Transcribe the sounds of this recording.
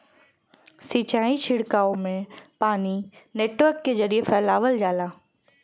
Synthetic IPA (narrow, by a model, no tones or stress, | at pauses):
sit͡ɕaːit͡ɕʰɪɽkaːomẽpaːnineːʈʋəɾkd͡ʑezɐɾiefɛːlaːʋəld͡ʑaːlaː